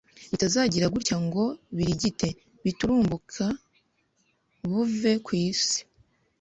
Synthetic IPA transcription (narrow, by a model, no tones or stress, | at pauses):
βitazaːɟiɾaɡuɾcaŋɡo̞βiɾiɟite̞ | βituɾuːmbukʰa | βuve̞kwiːsi̥